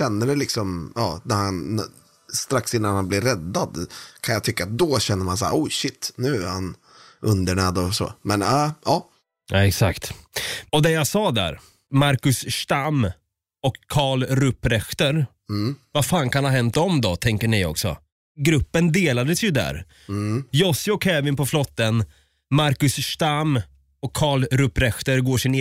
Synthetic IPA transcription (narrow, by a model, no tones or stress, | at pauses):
ɛnːəɖɛlɪksɔmjɑːnæɾhanː | st̪ɾaksɪnːanhanblɪɾːɛd̪ːad̪kʰanjat̪ʰʏkːat̪̚d̪ɔɕɛnːəɾmans̬a̰ːɾʔɔɕɪt̪ːnʉ̟ːæɾhan | ʔɵnd̪əɳɛːd̪ɔsɔ̰ːmɛnʔɑː | aɛksakt̪ɔd̪ɛjasɑːd̪æ̰ɾ | maɾkɵsːt̪am | ɔkʰːɑːɭɾɵpːɾɛxt̪əɾ̩ | vafaːnkʰanhaɾɦɛnt̪ɔmd̪ɔt̪ʰɛŋkəɳɪɔ̰ksɔ̰ | ɡɾɵpːənd̪eːlad̪əsjɵd̪æ̰ɾ | jɔsɪɔkʰːɛːvɪnpɔflɔt̪ːən | maɾkɵsʂʈ̪amː | ɔkʰːɑːɭɾɵpːɾɛxt̪əɾɡoːʂɪne